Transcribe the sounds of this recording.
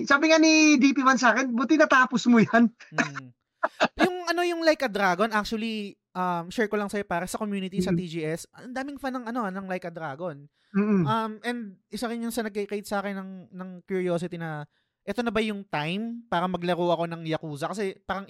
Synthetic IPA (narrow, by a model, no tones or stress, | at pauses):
saːbɪŋanid̪ipiwansaːkɛnbʊt̪ɪnat̪aːposmʊjan̩ | jʊŋʔɐno̞jʊŋlajkɐd̪ɾaːɡo̞nʔak̚t͡ʃuɐli | ʔɐmʃɛɹkolɐŋsɐjo̞paːɾɐsɐko̞mjuːnɪt̪isɐt̪id͡ʒiːʔɛsɐnd̪aːmɪŋfanɐŋɐno̞ɐnɐŋlajkɐd̪ɾaːɡon̩ː | ʔɐmɛnd̪̚ʔɪsɐɾɪɲːʊnsɐnɐɡ̚kkejt̪̚sɐʔaːkɛnːɐŋnɐŋkjʊɹiosɪt̪inɐ | ʔɛt̪o̞nɐbɐjʊŋt̪ajmpaːɾɐmɐɡlɐɾoʔɐko̞nɐŋjɐkuːzɐkɐsɛpaːɾɐŋ